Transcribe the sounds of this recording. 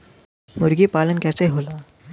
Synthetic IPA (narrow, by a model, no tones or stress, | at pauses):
muɾɡipalənkat͡saiɦola